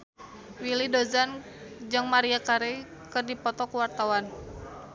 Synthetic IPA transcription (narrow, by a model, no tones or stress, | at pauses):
wilidozan | d͡ʒɨŋmaɾiakaɾekɨrdipɔt̪ɔkuwart̪awan